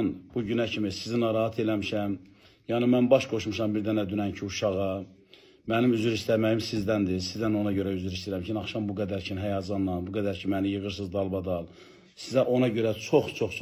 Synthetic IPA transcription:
nb̥uɟynæcʰimisizinɑɾɑhɑt̪ʰe̞læmiʃæm | jɑnɯmænbɑʃɡo̞ʃmuʃɑmbiɾd̪ænæd̪ynæncʰiuʃɑɣɑ | mænimyzyɾist̪æmæjimsizd̪ænd̪isizd̪æno̞nɑɟø̞ɾæyzyɾist̪iɾæmt͡ʃʰinɑχʃɑmbuɡæd̪æɾcʰinɦæjɑd͡ʒɑnːɑnbuɡæd̪æɾcʰimænijɯɣɯɾs̬ɯzd̪ɑlˠbɑd̪ɑlˠ | sizæʔo̞nɑɟø̞ɾæt͡ʃʰo̞χt͡ʃʰo̞χt͡ʃʰ

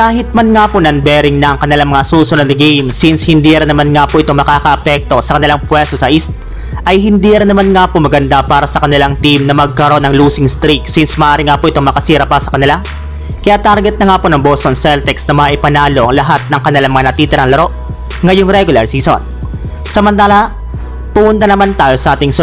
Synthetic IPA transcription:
kaːɦɪt̪̚mɐnŋaponɐnbɛɾɪŋnɐʔɐŋkɐnɪlaŋmɐŋasuːsʊnod̪nɐɡejmsinshɪnd̪iːɐɾɪnːɐmanŋaːpoʔɪt̪o̞mɐkaːkɐʔɐpɛk̚t̪o̞sɐkɐnɪlaŋpwɛst̪osɐʔist̪̚ | ʔɐjɦɪnd̪iːɐɾɪnːɐmanŋaːpomɐɡɐnd̪apaːɾɐsɐkɐnɪlaŋt̪imnɐmɐɡ̚kɐɾo̞nɐŋluːsɪŋst̪ɾiksinsmɐʔaːɾɪŋaːpoʔɪt̪o̞ŋmɐkɐsiːɾɐpɐsɐkɐnɪla | kɐjaʔt̪aɾɡɛt̪̚nɐŋaːponɐŋbost̪onsɛlt̪ɛksnɐmɐaʔɪpɐnaːlo̞ʔɐŋlɐɦat̪̚nɐŋkɐnɪlaŋmɐŋanɐt̪iːt̪ɪɾɐŋlɐɾo̞ʔ | ŋɐjoŋɾɛɡʊlɐɹsiːso̰n | sɐmɐnt̪aːlɐ | pʊmʊnt̪anɐmant̪aːjo̞sɐʔaːt̪ɪŋs

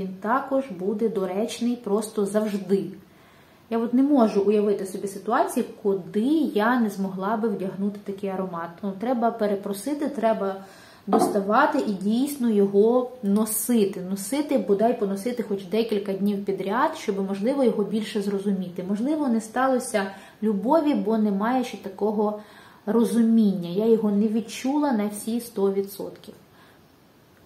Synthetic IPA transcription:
ʋʲint̪ɑkɔʒbud̪ɛd̪ɔɾɛt͡ʃnɪjpɾɔst̪ɔzɐwʒd̪ɪ | jaɔt̪nɛmɔʒʊʔʊjɐʋɪt̪ɪsɔbʲisɪt̪ʊɑt͡sʲijikʊd̪ɪjanɛzmɔɦlˠɑbɪwdʲɐɦnut̪ɪ̥t̪ɐkɪjɐɾɔmɑt̪̚nut̪ɾɛbɐpeɾepɾɔsɪt̪ɪt̪ɾɛbɐ | d̪ɔst̪ɐʋɑt̪ɪʔidʲijsʲnɔjɔɦɔnɔsɪt̪ɪnɔsɪt̪ɪbɔd̪ɑjpɔnɔsɪt̪ɪxɔt͡ʃd̪ɛkʲilʲkɐdʲnʲiwpʲid̪ɾʲaɑd̪̥ʃt͡ʃɔbɪmɔʒlˠɪʋɔjɔɦɔbʲilʲʃɛzrɔzʊmʲit̪ɪmɔʒlˠɪʋɔnɛst̪ɑlˠɔsʲɐ | lʲʊbɔʋʲibɔnɛmɑjɛʃt͡ʃɛt̪ɐkɔɦɔrɔzʊmʲinʲːɐjajɔɦɔnɛʋʲid̪t͡ʃulˠɐnɐwsʲist̪ɔʋʲid̪sɔ̰t̪kʲiw

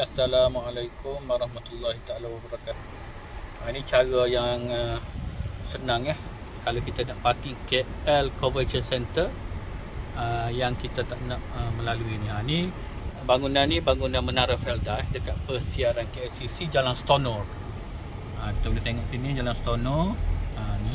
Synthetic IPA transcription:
asːalamalajkʊmwaɾɑhmat̪ulːaɦit̪aalawabaɾakat̪u̥ | anit͡ʃaɾajaŋə | sənãŋah | kalawkit̪anaʔpat̪ikeɛlkovət͡ʃənsɛnt̪ər | əjaŋkit̪at̪aʔnaʔəmə̃laluiniani | baŋunanĩbaŋunãnmənaɾafɛldahdəkat̪̚pərsiaɾankeɛsisid͡ʒalanst̪onɔr | əkit̪abdət̪eŋɔʔsinĩd͡ʒalanst̪onɔrani

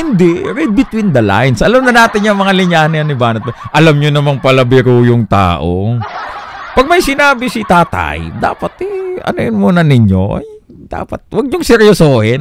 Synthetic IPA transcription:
hɪnd̪ɛɹɛd̪̚bɪt̪wind̪ɐla̰jnsʔɐlamnɐnaːt̪ɪɲjɐŋmɐŋalɪɲaːhnɪjɐnɪbaːnɐt̪̚mɐʔɐlamɲonɐmaŋpɐlɐbɪɾuːjʊŋt̪a̰ːʔo | pɐɡ̚mɐjsɪnaːbɪsit̪aːt̪a̰jd̪a̰ːpɐt̪ʔɛɐ̰nʊjɪnmuːnɐnɪɲːo̰ʔ | d̪̥a̰ːpɐt̪̚wɐɡ̚ɲoŋsɛɾjosoːhɛn

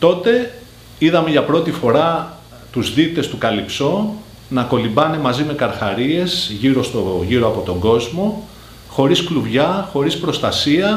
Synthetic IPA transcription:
t̪o̞t̪e̞ | iðɐme̞ʝɐpɾo̞t̪ifo̞ɾɐ | t̪uzðit̪e̞st̪ukɐlipso̞ | nɐko̞limbɐne̞mɐzime̞kɐɾxɐɾie̞sʝiɾo̞st̪oʝiɾo̞ɐpo̞t̪o̞ŋɡo̞zmo̞ | xo̞ɾiskluvʝɐxo̞ɾispɾo̞st̪ɐsiɐ

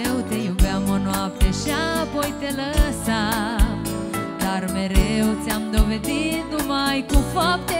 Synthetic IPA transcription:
wt̪e̞jubeamonoap̚t̪e̞ʃiapo̞jt̪e̞ləsam | d̪arme̞ɾewt̪sʲamd̪o̞ve̞d̪it̪numajkufap̚t̪e

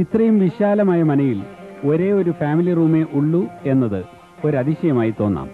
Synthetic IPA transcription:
it̪rɐjumʋiɕaːlɐmaːjɐmɐnɐjiloɾe̞ːo̞ɾufaːmiliruːme̞ʔuɭːue̞nːɐðɨ | o̞ɾɐðiɕɐjɐmaːjit̪o̞ːnːa̰ːm

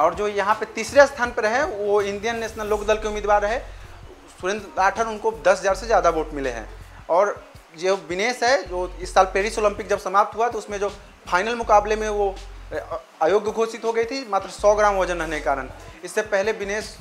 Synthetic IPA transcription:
ɔːɾd͡ʒoːjɐɦãpet̪iːsɾest̪ʰaːnpeɾɐɦẽʋoɪ̃nd̪ijənːesnaloːkd̪əlkeumiːd̪baːɾəɦe | sʊɾẽnd̪ɾaːʈʰəɾʊnkod̪ɐsɦɐzaːɾsezjaːd̪aboːʈmɪlḛɦɛ̰̃ːɔːɾ | d͡ʒebɪneːsɦɛd͡ʒoːɪsːaːlpeːɾisoːlə̃mpɪk̚d͡ʒɐbsɐmaːp̚t̪ɦuaɛt̪oʊsmẽd͡ʒoː | pʰaːɪnəlmʊkaːblemẽʋo | aːjoːɡəɡʱoːsɪt̪ɦoɡəit̪ʰimaːt̪ɾəsɔːɡɾaːmoːd͡ʒənɾɐɦnekekaːɾənɪsːepɛɦlebɪneːs

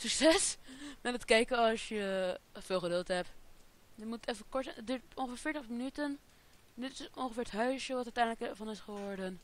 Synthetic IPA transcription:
syksɛsmɛtətkɛjkəɑlˠsjəfɪːlˠχədɵlˠtɦɛp | jəmuttɛfəkɔɹtət̚dyːɹtõnχəfɪːɹfɪɹtəχmənytən | dɪtɪsonχəfɪːɹətɦœɥsjəʋɑtœtɛjndləkɛvɑnɪsχəʋɔɹdən

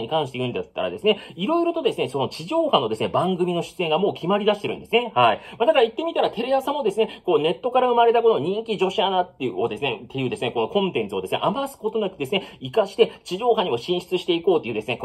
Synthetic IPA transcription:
ɲ̟ikãɰ̃ɕi̥t̪eɯ̃nd̪at̪ːa̰ɾa̰d̪e̞sɨne̞iɾo̞iɾo̞t̪o̞d̪e̞sɨne̞so̞no̞t͡ɕiʑo̞ːhano̞d̪esɨne̞bãŋɡɯ̟mʲino̞ɕɨ̥t͡sɨe̞ŋɡamoːkʲimaɾʲid̪aɕit̪e̞ɾɯ̟nd̪esɨne̞haimad̪akaɾit̪ːe̞mʲit̪aɾat̪e̞ɾejasamo̞d̪e̞sɨne̞koːne̞t̪ːo̞kaɾaɯ̟maɾe̞t̪ak̬onoɲ̟ĩŋkʲiʑo̞ɕianat̪ːeod̪e̞sɨne̞t̪ːe̞jɯ̟ːd̪e̞sɨne̞ko̞no̞kõ̞nt̪ẽ̞nt͡sɨo̞d̪e̞sɨne̞ʔamasɨ̥ko̞t̪o̞nakʲid̪e̞sɨne̞ikaɕi̥t̪et͡ɕiʑo̞ːɦaɲ̟imo̞ɕĩɰ̃ɕi̥t͡sɨɕi̥t̪e̞iko̞ːt̪ːeiɯ̟d̪e̞sɨne̞

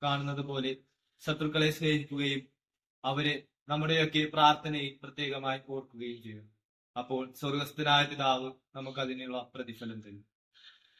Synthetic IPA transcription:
kaːɳunːɐðɨpo̞ːle̞ | ɕɐt̪rukːɐɭesleːɦikʲːuɣɐjum | ɐʋɐɾe | nɐmːuɽe̞jo̞kːe̞praːrt̪ʰɐnɐiprɐt̪je̞ːɣɐmaːjiko̞ːrkːuɣɐjumt͡ɕe̞jːu | ɐpːo̞ːɭsɐrɡɐst̪ɐnaːjɐt̪ːiðaːʋɨnɐmuk̬ːɐðineuɭːɐprɐðifɐlɐmt̪ɐnːu

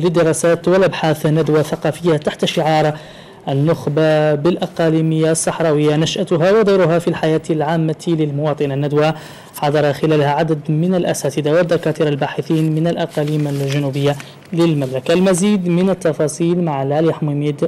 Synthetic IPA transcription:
lɪd̪ːɪɾɑːsaːt̪wɪlʔabħaːθnːad̪waθɑqɑːfɪjːat̪aħt̪aʃɪʕɑːɾˤ | ʔanːʊxbabɪlʔɑqɑːliːmɪjːasˤːɑħɾˤɑːwɪjːanaʃʔat̪ʊɦawɑd̪ˤɑjɾʊɦafilħajaːt̪lʕaːmːalɪlmʊwɑːt̪ˤɨnanːad̪wa | ħɑd̪ˤɑɾˤɑxɪlæːlhaʕad̪ad̪mɪnalʔæsaːt̪ɪd̪awɪd̪ːɑkaːt̪iɾalbaːħɪθiːnmɪnalʔɑqɑliːmalʒanubɪjːa | lɪlmamlakalmaziːd̪mɪnat̪ːɑfɑːsˤiːlmaʕlaljħmʊmiːd̪

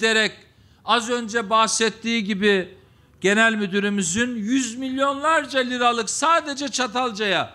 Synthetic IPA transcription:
d̪eɾɛc | azø̞nd͡ʒɛbahsɛt̪ʰːiːɟibi | ɟ̥e̞nælʲmyd̪yɾimizynjyzmilʲjo̞nlˠaɾd͡ʒalʲiɾalˠɯksaːd̪e̞d͡ʒɛt͡ʃʰat̪ʰalˠd͡ʒaja

